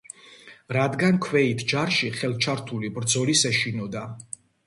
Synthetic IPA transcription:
ɾad̪ɡankʰwɛit̪ʰd͡ʒaɾʃiχɛlˠt͡ʃʰaɾt̪ʰulibɾd̪zɔlisɛʃinɔd̪a

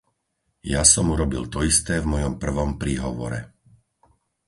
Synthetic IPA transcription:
jasɔmuɾɔbilt̪ɔist̪ɛːvmɔjɔmpr̩ʋɔmpɾiːɦɔʋɔ̰ɾɛ̰

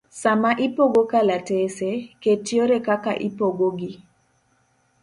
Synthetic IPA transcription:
samaʔipoɡokalateseketjoɾekaka̰ʔḭpoɡoɡi

